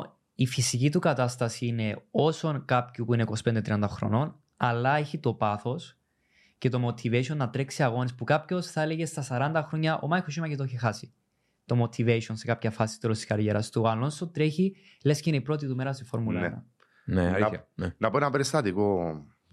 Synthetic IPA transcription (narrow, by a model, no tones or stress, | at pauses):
ifisicit̪ukɐt̪ɐst̪ɐsiine̞o̞so̞nkapçupuine̞iko̞si̥pend̪et̪ɾiɐnd̪ɐxɾo̰no̞n | ɐlːɐeçit̪o̞pɐθos | cet̪o̞mo̞t̪ʰive̞ʃonːɐt̪ɾeksiɐɣo̞nispukapço̞sθɐeleʝe̞st̪ɐsɐɾɐnd̪ɐxɾo̞ɲːɐʔo̞̰mɐjxoʃ̬imɐcet̪oçixasi | t̪o̞mo̞t̪ʰive̞ʃonsekapçɐfɐsist̪olost̪i̥skɐɾʝeɾɐst̪uɐlːonst̪ot̪ɾe̞çi | le̞sceineipɾo̞t̪̬it̪umeɾɐst̪ifo̞ɾmulɐnɐ̰ | ne | nɐpoenɐpeɾist̪ɐt̪iko